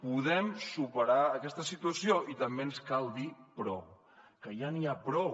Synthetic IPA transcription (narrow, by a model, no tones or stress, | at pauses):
puðɛmsupəɾaəkɛst̪əsit̪uəsioʔit̪əmbenskalˠd̪ipɾɔ̰w | kəjaniapɾɔw